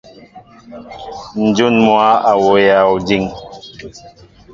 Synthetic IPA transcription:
n̩˨d͡ʒu˦˨nmwa˦a˨wo˨ja˨o˨d͡ʒi˦˨ŋ

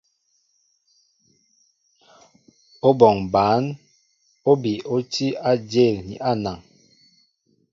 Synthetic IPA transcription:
o˦bɔ˨ŋba˨˦n | o˦bi˨o˦ti˦a˦d͡ʒe˦˨lnḭ˨ʔa˦na˨ŋ

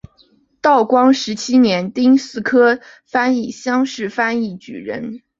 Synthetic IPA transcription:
t̪ɑ˥˩ʊkwɑ˥ŋʂɻ̩˧˥t͡ɕʰi˥njɛ˧˥nt̪i˥ŋsɹ̩˥˩kʰɤ˥ | fa˥ni˥˩ɕjɑ˥ŋʂɻ̩˥˩fa˥ni˥˩t͡ɕy̰˨˩ɻə̰˧˥n

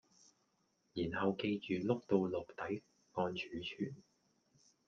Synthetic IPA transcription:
jiː˨˩nhɐ˨wke˧jt͡ʃyː˨lʊ˥k̚t̪o˧wlʊ˨k̚t̪ɐ˨˥j | kɔː˧nt͡ʃʰyː˨˥t͡ʃʰyː˨˩n

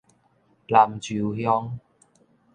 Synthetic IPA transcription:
la˨˩mt͡ɕy˨˩whjɔ˧˥ŋ

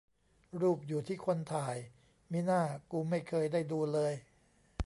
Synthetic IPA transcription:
ɾuː˥˩p̚juː˨˩t̪ʰiː˥˩kʰo˧nt̪ʰaː˨˩j | miː˦˥˩naː˥˩kuː˧ma˥˩jkʰɤː˧jdaː˥˩jduː˧lɤː˧j

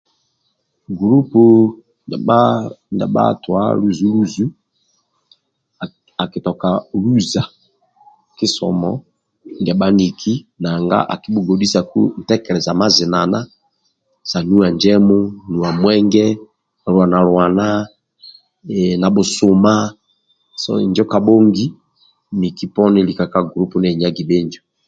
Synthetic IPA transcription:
ɡɾu˦po˨˦ | ndɛ˨ba̰˦twa̰˦lu˦zu˦lu˦zu˦˨ | a˨ki˨tɔ˨ka˨lu˦za˨ | ki˦sɔ̰˨mɔ̰˦ | ndɛ˨ba˦ni˨kʰi˦na˨ŋɡa̰˦ʔa̰˨ki˦bu˨ɡo˨di˦sa˨kṵ˦n̩˨tɛ˦kɛ˨ɾɛ˨za˨ma˦zi˨na˨na˦ | sa˨nu˦a˨nd͡ʒɛ˦mu˦nu˨a˨mwɛ˦ŋɡɛ˦˨ | ɾwa˨na˨ɾwa˨na˦˨ | na˨bo˨su˨ma˦ | sɔ̰˦˨nd͡ʒɔ˦ka˨bo˦ŋɡi˦ | ni˨ki˦pɔ˦ni˦li˨ka˨ka˦ɡɾu˦pu˦nɛ˦˨ɲa˦ɡi˨be˦nd͡ʒɔ˨

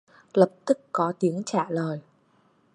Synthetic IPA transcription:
lə˨˩p̚t̪ɨ˦˥kːɔ˨˦t̪i˨˦əŋt͡ɕaː˧˩ləː˨˩j

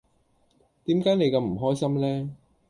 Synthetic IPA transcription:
t̪iː˨˥mkaː˨˥jne˨˧jkɐ˧mm̩˨˩ɦɔː˥jsɐ˥mlɛː˥

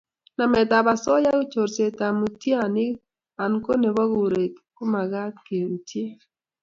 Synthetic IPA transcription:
na˨mɛ˨t̪a˨ba˨sɔ˦ja˦ɡo˦t͡ʃo˨ɾse˨t̪a˨mu˨tja˦˨nɪ˦ | a˨nko˦ne˨bɔ˦ɡo˨ɾe˨tkʊ˦ma˨ɡa˦t̪ke˨ɾu˨tje˦

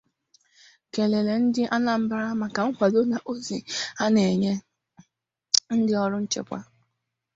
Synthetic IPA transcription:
ke˨le˨le˨n̩˦dɪ˦ʔa˦na˨m̩˦ba˦ɾa˦ma˨ka˨ŋ̩˦kʷa˨do˦na˨ʔo˦zi˨a˦ne˨ɲe˦ | n̩˦dɪ˦ɔ˦ɾʊ˦n̩˦t͡ʃḛ˨kʷa̰˦

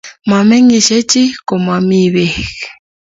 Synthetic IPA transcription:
ma˨me˦ŋi˨ʃe˦t͡ʃʼi˦ko˨ma˨mi˦βe˨ɣ

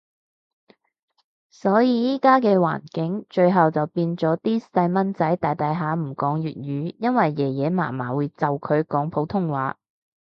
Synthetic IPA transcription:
sɔː˨˥jiː˨˧jiː˥kaː˥kɛː˧wa̰ː˨˩nkɪ˨˥ŋt͡ʃɵ˧ɥɦɐ˨wt͡sɐ˨wpiː˧nt͡sɔː˨˥t̪iː˥sɐ˧jmɐ˥nt͡sɐ˨˥jt̪aː˨jt̪ɐ˨˧˥jɦaː˨˧m̩˨˩kɔː˨˥ŋjyː˨t̚jyː˨˥jɐ˥nwɐ˨jːɛː˨˩jɛː˨˧ma̰ː˨˩maː˨˩wuː˨˧jt͡sɐ˨wkʰɵ˨˧ɥkɔː˨˥ŋpʰo˨˥wt̪ʰʊ˥ŋwa̰ː˨˥

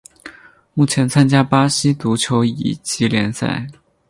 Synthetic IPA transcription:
mu˥˩t͡ɕʰjɛ˧˥nt͡sʰa˥nt͡ɕja˥pa˥ɕi˥t̪u˧˥t͡ɕʰjo˧˥ʊḭ˨˩t͡ɕi˧˥ljɛ˧˥nsa̰˥˩ɪ

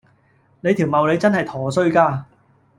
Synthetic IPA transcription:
ne˨˧jt̪ʰiː˨˩wmɐ˨wle˨˧jt͡sɐ˥nhɐ˨jt̪ʰɔː˨˩sɵ˥ɥkaː˧

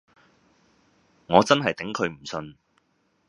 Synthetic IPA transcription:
ŋɔː˨˧t͡sɐ˥nɦɐ˨jt̪ɪ˨˥ŋkʰɵ˨˧ɥm̩˨˩sɵ˧n

